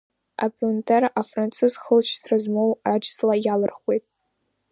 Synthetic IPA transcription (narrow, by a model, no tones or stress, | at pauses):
a̰pʰʼuntʰʼerafrant͡sʰɨzχəlt͡ʃʰsrazmowad͡ʒslajalɨrχwejtʼ